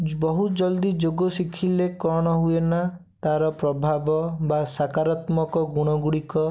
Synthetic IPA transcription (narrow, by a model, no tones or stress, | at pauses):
bɔɦud͡ʒɔld̪id͡ʒoɡɔsikʰilekɔɽ̃ɔɦuena | t̪aɾɔpɾɔbʱabɔbasakaɾɔt̪mɔkɔɡuɽ̃ɔɡuɽikɔ